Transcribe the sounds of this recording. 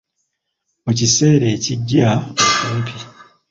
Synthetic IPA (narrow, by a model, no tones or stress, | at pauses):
ocise̞ːɾe̞ːciɟːaosopʰi